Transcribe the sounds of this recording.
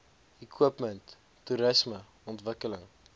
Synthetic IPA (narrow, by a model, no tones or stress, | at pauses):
ikʰuəpməntː | uɾəsmə | ɔntvəkələŋ